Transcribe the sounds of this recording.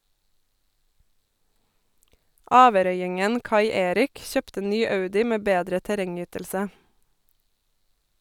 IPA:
ˈɑːʋəˌɾœʏɪŋən ˈkɑɪ ˈeːɾɪk ˈçøːptə ˈnyː ˈɑʉdɪ ˈmeː ˈbeːdɾə tæˈɾɛŋˌyːtəlsə

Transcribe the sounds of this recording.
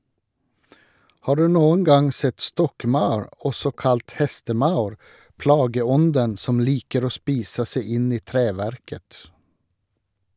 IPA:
ˈhɑː ˈɖʉː ˈnuːən ˈɡɑŋ ˈsɛt ˈstɔkˌmɑʉɹ ˈɔsɔ ˈkɑlt ˈhɛstəˌmɑʉɹ ˈpɽɑːɡəˌɔndən ˈsɔm ˈliːkəɾ ˈoː ˈspiːsə ˈsæɪ ˈɪn ˈiː ˈtɾeːʋæɾkət

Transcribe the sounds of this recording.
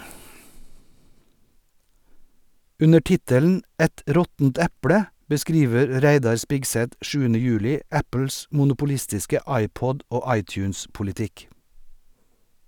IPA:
ˈʉnə ˈʈɪtəln̩ ˈæt ˈɾɔtn̩t ˈæpɽə bəˈskɾiːʋəɾ ˈɾæɪdɑɾ ˈspɪɡsɛt ˈʃʉːənə ˈjʉːlɪ ˈæpl̩s mʊnʊpʊˈlɪstɪskə ˈɑɪˌpɔd ˈoː ˈɑɪˌtjʉːnspʊlɪˌtɪk

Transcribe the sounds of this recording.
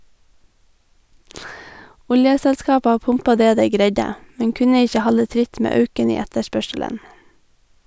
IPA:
ˈʊljəsɛlˌskɑːpɑ ˈpʊmpɑ ˈdeː ˈdeɪ ˈɡɾeɪɟə ˈmɛŋ ˈkʉnə ˈɪçə ˈhɑlə ˈtɾɪt ˈmeː ˈœʉkən ˈiː ˈɛtəˌʃpœʃələn

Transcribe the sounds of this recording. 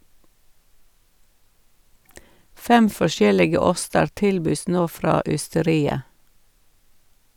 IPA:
ˈfɛm fɔˈʃjɛlɪɡə ˈɔstəɾ ˈtɪlbyːs ˈnoː ˈfɾɑː ʏstəˈɾiːə

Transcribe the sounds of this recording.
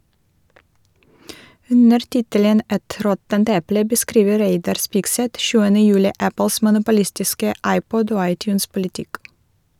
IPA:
ˈʉnəɾ ˈtɪtələn ˈʔɛt ˈɾɔtənt ˈɛplə bəˈskɾiːʋə ˈɾeɪdɑɾ ˈspɪɡˌsɛt ˈʃʉːənə ˈjʉːlɪ ˈʔæpəls mʊnʊpʊˈlɪstɪskə ˈʔɑɪˌpɔd ˈoː ˈɑɪˌtjʉːnspʊlɪˌtɪk

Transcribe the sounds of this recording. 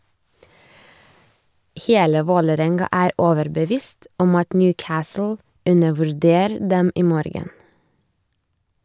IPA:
ˈheːlə ˈʋoːləˌɾɛŋɡɑ ˈæːɾ ˈoːʋəɾbəˌʋiːst ˈɔm ˈɑt ˈnjʉːˌkæːsl̩ ˈʉnəʋʉɾˌdeːɾ ˈdɛm ˈiː ˈmoːɾɡən

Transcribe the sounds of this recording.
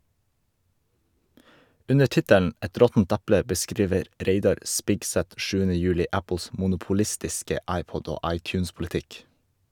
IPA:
ˈʉnə ˈʈɪtəln̩ ˈɛt ˈɾɔtn̩t ˈæplə bəˈskɾiːʋəɾ ˈɾeɪdɑɾ ˈʔspɪɡsɛt ˈʃʉːənə ˈjʉːlɪ ˈæpl̩s mʊnʊpʊˈlɪstɪskə ˈɑɪˌpɔɟ ˈoː ˈɑɪˌtjʉːnspʊlɪˌtɪk

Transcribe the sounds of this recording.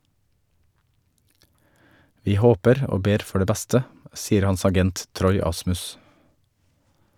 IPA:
ˈʋiː ˈhoːpəɾ ˈoː ˈbeːɾ ˈfɔ ˈɖeː ˈbɛstə ˈsiːəɾ ˈhɑns ɑˈɡɛnt ˈtɾɔʏ ˈɑsmʉs

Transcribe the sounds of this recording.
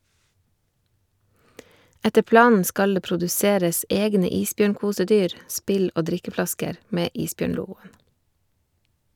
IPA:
ˈɛtə ˈplɑːnn̩ ˈskɑl ˈeː pɾʊdʉˈseːɾəs ˈɛɡnə ˈiːsˌbjøːɳˌkuːsəˌdyːɾ ˈspɪl ˈoː ˈdɾɪkəˌflɑskəɾ ˈmeː ˈʔiːsˌbjøːɳˌluːɡʊən

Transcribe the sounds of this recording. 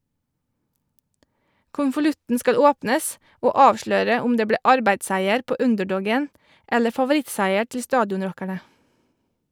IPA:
kʊnfʊˈlʉtn̩ ˈskɑl ˈoːpnəs ˈoː ˈɑːʋʃløːɾə ˈʊm ˈdeː ˈbɽeː ˈɑɾbæɪdˌsæɪəɾ ˈpoː ˈʉndɛˌɖɔɡən ˈɛlə fɑʋʊˈɾɪtsæɪə ˈʈɪl ˈstɑːdjɔnˌɾɔkæɳə

